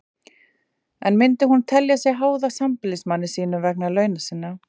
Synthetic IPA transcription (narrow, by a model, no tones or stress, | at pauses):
ɛnmɪnt̪ɪɦunt̪ʰɛljasjɛɣɦaːwðasampɪlɪsmanːɪ̥siːnʏmvɛk̚nalœːɥnasɪnːa